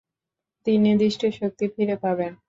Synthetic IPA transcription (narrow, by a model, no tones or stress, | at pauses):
t̪inːid̪iʃʈʰeʃok̚t̪ifiɾepaben